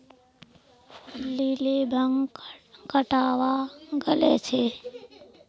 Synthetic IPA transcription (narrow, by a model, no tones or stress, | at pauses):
polilebʱəŋkəʈaːwaɡəlet͡ʃʰe